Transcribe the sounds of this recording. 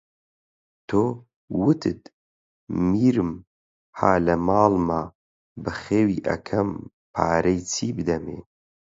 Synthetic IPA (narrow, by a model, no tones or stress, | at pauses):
t̪ʰoː | wɨt̪ʰɨt̪ | miːɾɨm | haːlɐmaːlma | bɨxeːwiːʔɐ̰kʰɐm | pʰaːɾɐjt͡sʰiːbɨd̪ɐmḛː